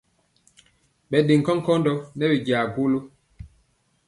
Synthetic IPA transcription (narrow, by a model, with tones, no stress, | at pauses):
ɓɛ˨ɗe˨ŋ̩˨kɔ˦ŋ̩˦kɔ˦ndɔ˦nɛ˦bi˨ɟaː˨ɡu˦lo˦